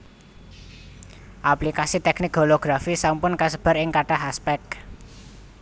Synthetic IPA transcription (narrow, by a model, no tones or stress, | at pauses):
ʔaplikasit̪ɛknɪk̚ɡoloɡ̥ɾafisampʊnkasəb̥a̤ɾɪŋkaʈaɦaspɛk̚